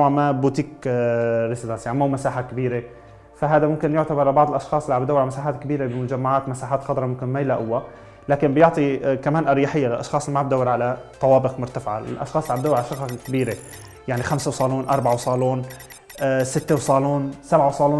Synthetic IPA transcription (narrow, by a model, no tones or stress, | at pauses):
amabuːt̪iːk | ɾɪsɪd̪ansjaʕnimauːmasaːħakɪbiːɾe | faɦaːd̪amʊmkɪnjʊʕt̪abɑɾˤʕalbɑʕd̪ˤɪlʔɑʃxɑːsˤɪlːiʕabd̪awːɪɾʕalmasaːħaːt̪kɪbiːɾebɪmʊd͡ʒamːaʕaːt̪masaːħaːt̪xɑd̪ˤɾˤɑmʊmkɪnmajɪlaʔʊwːa | laːkɪmbjoʕt̪ˤikamaːnʔɑɾjaħɪjːalɪlʔɑʃxɑːsˤlimaʕb̚d̪awːɪɾʕalat̪ˤɑwɑːbɪqmʊɾt̪afʕa̰ɪ̰lʔɑ̰ʃxɑːsˤʕabd̪awɪɾʕalaʃɑxkɪbiːɾe | jaʕnixamsawsˤɑːluːnʔɑɾˤbaʕawsˤɑːluːn | sɪt̪ːewsˤɑːluːnsabʕawsˤɑːluː